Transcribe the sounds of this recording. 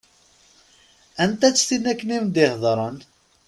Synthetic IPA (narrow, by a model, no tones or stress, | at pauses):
ænt̪æt͡sːθinækːənimnd̪ɪhðˤɾˤən